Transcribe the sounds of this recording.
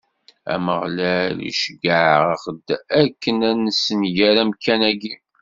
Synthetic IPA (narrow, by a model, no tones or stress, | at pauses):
æ̰məʁlælḭʃəɡəʕʁəχəd̪ækːənænəsəmʝæɾæmkːænæɡi